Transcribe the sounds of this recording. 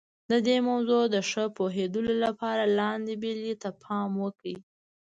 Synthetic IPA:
d̪əd̪emawzod̪əʂəpoɦed̪ulolapɑɾalɑnd̪ebelit̪apʰɑmwəkɽi

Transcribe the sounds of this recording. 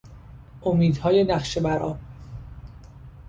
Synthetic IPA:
ʔomiːd̪hɒːjenæxʃebæɾʔɒ̰ːb

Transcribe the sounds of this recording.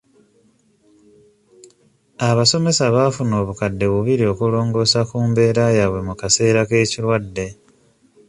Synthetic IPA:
aβaso̞me̞saβaːfuno̞ːβukadːe̞βuβiɾio̞kulo̞ːŋɡo̞ːsakuːmbe̞ːɾajaβwe̞mukase̞ːɾake̞ːciɾwadːe̞

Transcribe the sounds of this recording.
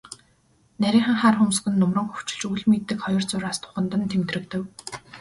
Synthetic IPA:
næɾʲiːŋχə̆ŋχaːrxʊmsɡɘ̆nːʊmrə̆ŋxɵ̥w̥t͡ɕɪ̥̆ɮt͡ɕuɮmet̪ːɘ̆kχɔjɞ̆rt͡sʊɾaːst̪ʰʊ̥χə̆nt̪ə̆nt̪ʰemt̪rɘ̆kt̪ɘ̆w

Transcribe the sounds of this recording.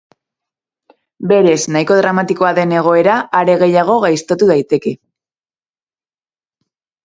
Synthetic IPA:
be̞ɾe̞znajko̞ðɾamat̪iko̞aðe̞ne̞ɣ̞o̞e̞ɾaːɾe̞ɣe̞jaɣ̞o̞ɣajst̪o̞t̪uð̞ajt̪e̞ke̞

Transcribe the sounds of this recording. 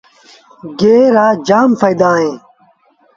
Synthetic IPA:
ɡeːɾaːd͡ʑaːmfɐjd̪aːẽː

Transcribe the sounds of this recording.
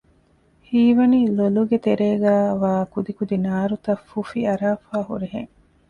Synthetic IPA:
hiːʋɐniːloluɡet̪eɾeːɡæːʋaːkud̪ikud̪inaːɾut̪ɐfːufiɐɾaːfaːɦṵɾeɦḛŋ

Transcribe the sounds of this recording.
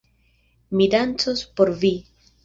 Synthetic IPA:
midant͡sospo̞ɾvi

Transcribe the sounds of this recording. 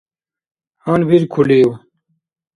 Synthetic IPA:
hanbiɾkʰuliw

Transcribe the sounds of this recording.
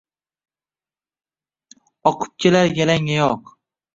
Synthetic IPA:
ɒqʰɨ̥p̚kʲʰelaɾjʲalaŋajɒq

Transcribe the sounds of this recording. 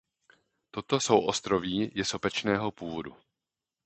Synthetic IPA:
t̪o̞t̪o̞so̞wʔo̞st̪ɾo̞viːjɛso̞pɛt͡ʃnɛːɦo̞puːvo̞dṵ

